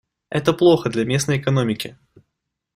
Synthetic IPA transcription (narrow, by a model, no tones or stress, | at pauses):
ɛt̪əplˠo̞xəd̪lʲɐmʲe̞snəjɪkɐno̞mʲɪkʲɪ